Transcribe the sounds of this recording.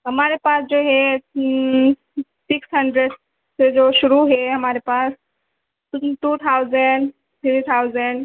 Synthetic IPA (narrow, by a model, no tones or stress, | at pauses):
ɦəmaɾepasd͡zoɦe | siksɦəɳɖɾeɖ | sed͡zoɕuɾuɦeɦəmaɾepas | ʈut̪ʰawd͡zəɳɖ | t̪ʰɾit̪ʰawzəɳɖ